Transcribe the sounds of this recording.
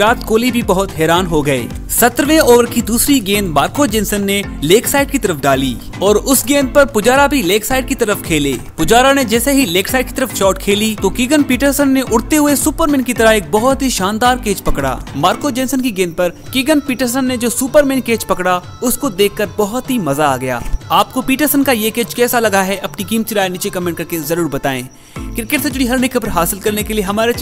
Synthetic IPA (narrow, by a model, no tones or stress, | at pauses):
ɾaːt̪koːlibʱibɐɦʊt̪ɦɛːɾaːnɦoɡɐḛː | sɐt̪ɾʋẽoːʋəɾkid̪uːsɾiɡẽːnd̪maːɾkod͡ʒɛ̃ːnsənːe | leːksaːɪɖ̚kit̪ɐɾəfʰɖaːliː | ɔːɾʊsɡẽːnd̪̚pɐɾpʊd͡ʒaːɾabʱileːksaːɪɖ̚kit̪ɐɾəfkʰeːlḛːpʊd͡ʒaːɾaned͡ʒɛːseɦileːksaːɪɖ̚ki̥t̪əɾəft͡ʃɔːʈkʰeːlit̪okɪɡənpiːʈəɾsənːeʔʊɽt̪eɦʊesʊːpəɾmɪ̃nkit̪ɐɾəɦeːk̚bɐɦʊt̪ɦiʃãːnd̪aːɾkeːt͡ʃpɐkɽa̰ːmaːɾkod͡ʒɛ̃ːnsənkiɡẽːnpɐɾkɪɡənpiːʈəɾs̬ənːed͡ʒoːsuːpəɾmɪ̃nkeːt͡ʃpɐkɽa | ʊskod̪eːkʰːəɾbɔɦɔt̪ɦimɐzaa̰ːɡɐja̰ːaːp̚kopiːʈəɾsənkajekeːt͡ʃkɛːsalɐɡaɦɛʔɐpnikiːmt͡ʃɪɾaːenɪt͡ʃekɐmẽːɳʈ̚kɐɾkezɐɾuːɾbɐt̪aːḛ̃ː | kɾɪkɪʈsed͡ʒʊɽiɦɐɾnɪkəpəɾɦaːsɪlkɐɾnekelieɦɐmaːɾe